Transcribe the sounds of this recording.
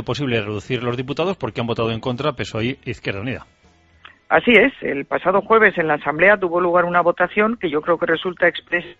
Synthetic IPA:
opo̞s̬iβlereðuθiɾlo̞zðiput̪aðo̞spo̞ɾkeambo̞t̪aðoeŋko̞nt̪ɾape̞so̞ieiθkjeɾðauniða | a̰sie̞se̞̰lpasað̞o̞xwe̞β̞e̞se̞nlaːsamble̞at̪̬uβo̞luɣ̞aɾunaβo̞t̪aθjo̞ŋke̞ʝo̞kɾe̞oke̞re̞sult̪aekspɾe̞s

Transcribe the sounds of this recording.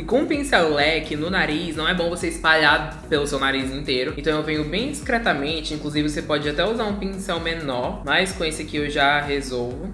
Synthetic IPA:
ɪkõũpĩsɛwlɛkɪnʊnaɾisnɐ̃w̃ɛbõvoseispaʎaɾ | pelʊsewnaɾizĩt̪eɾʊẽt̪ɐ̃w̃ewvẽjʊbẽj̃d͡ʒiskɾɛt̪amẽnt͡ʃɪĩkluzivɪvosepɔd͡ʒɪat̪ɛuzaɾũpĩsɛwmenɔɾmajskõesɪkɪewʒaɦezowvʊ

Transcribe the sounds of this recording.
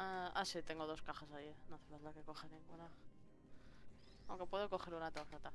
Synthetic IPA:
a̰sit̪e̞ŋɡo̞ð̞o̞skaxasajinoθeðazlakekoxeneŋuna | awŋke̞pwe̞ðo̞ko̞xe̞ɾunat̪ofat̪a

